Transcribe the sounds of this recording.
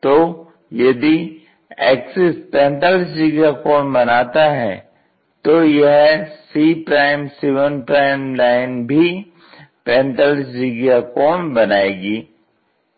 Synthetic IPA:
t̪oː | jɐd̪i | ɛːksɪspɛ̃ːnt̪aːlɪs̬d͡ʒiɡakɔːnbɐnaːt̪aɦɛː | t̪oːjɐɦsiːpɾaːɪmseːʋənpɾaːɪmlaːɪnbʱi | pɛ̃ːnt̪aːlɪs̬d͡ʒiɡakɔːnbɐnaːeːɡiː

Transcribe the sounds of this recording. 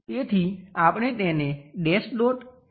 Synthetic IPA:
et̪ʰiapɽ̃et̪eneɖesloʈ

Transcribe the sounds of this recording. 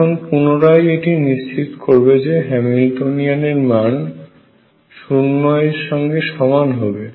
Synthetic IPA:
onpunoɾajeʈiniʃt͡ɕit̪koɾbed͡ʑeɦɛmilʈonianeɾman | ʃuɾnɔeɾʃɔŋɡeʃɔmanɦɔbe

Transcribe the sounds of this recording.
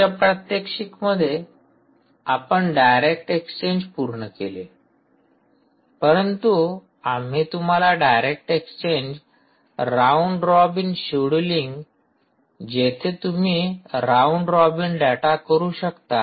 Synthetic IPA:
apɾət̪jekʂikməd̪ʱːje | apəɳɖajɾek̚ʈekst͡ɕeɲd͡ʑpuɾɳəkele | pəɾənt̪u | am̤it̪um̤alaɖajɾek̚ʈekst͡ɕend͡ʑ | ɾauɳɖɾɔbinɕeɽuliŋɡ | d͡ʑet̪ʰet̪um̤iːɾauɳɖɾɔbinɖɛʈakəɾuːɕəkt̪a

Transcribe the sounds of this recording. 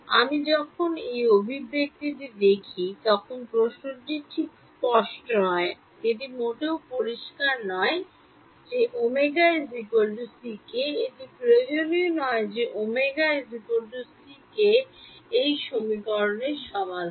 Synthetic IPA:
a̰mid͡ʑɔkʰonejobʱibːek̚t̪it̪id̪ekʰit̪ɔkʰonpɾoʃnoʈiʈʰiksspɔʃʈonɔe | ed̪imoʈeopoɾiʃkaɾnɔe | d͡ʑeʔomeɡaezikoɾɖusikeed̪ipɾed͡ʑolionɔed͡ʑeʔomeɡaezikoɾɖusikeejʃomikɔɾoneɾʃɔbʱad̪

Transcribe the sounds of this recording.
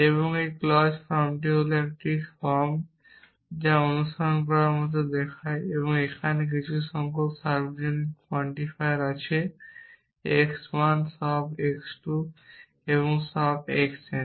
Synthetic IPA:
eβoŋejklɔsfʰɔɾmʈ̬iɦoloɛk̚ʈifɔɾm | d͡ʑaonuʃʈʰaɾonk̬ɔɾaamat̪̬ed̪ɛkʰaeeβoŋekʰanek̬it͡ɕʰuʃɔŋkopsaɾbod͡ʑonik̚pʰɔɳʈifajaɾat͡ɕʰe | ekswansɔbeksʈu | eβoŋsɔb̚ekse

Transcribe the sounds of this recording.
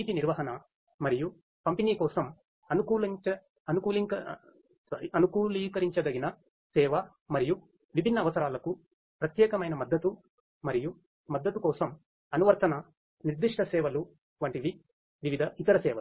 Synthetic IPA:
iːt̪iniɾʋɐɦɐnɐ | mɐɾiju | pɐmpiniːkɔːsɐm | ɐnukuːlɐt͡ʃɐ | ɐnukuːliɐ | sɐɾiɐnukuːliːkɐɾiɲt͡ʃɐd̪ɐɡinɐ | sɛːʋɐ | mɐɾiju | ʋibʱinːɐːʋɐsɐɾaːlɐku | pɾɐt̪jɛːkɐmɐjnɐmɐd̪ːɐt̪u | mɐɾiju | mɐd̪ːɐt̪ukɔːsɐm | ɐnuʋɐɾt̪ɐnɐ | niɾd̪iʂʈɐsɛːʋɐlu | ʋɐɳʈid̪i | ʋiʋid̪ʱɐit̪ɐɾɐsɛːʋɐlu

